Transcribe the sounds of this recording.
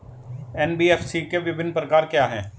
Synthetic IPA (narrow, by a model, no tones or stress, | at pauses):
ɛːnbiːɛːfʰsikeʋɪbɪnːpɾəkaːɾkjaːɦɛ̃ː